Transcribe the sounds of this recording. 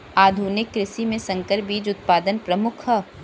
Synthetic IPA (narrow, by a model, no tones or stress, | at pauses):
aːd̪ʱuːnɪkːɾɪʃimẽsɐ̃ŋkəɾbiːd͡ʒʊt̪̚paːd̪ənpɾɐmʊkʰə